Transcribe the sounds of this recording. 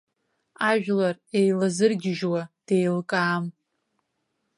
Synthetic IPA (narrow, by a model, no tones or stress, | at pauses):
aʒᶣlare̞jlazɨrɡʲɪʒwad̥e̞jlkʼaːm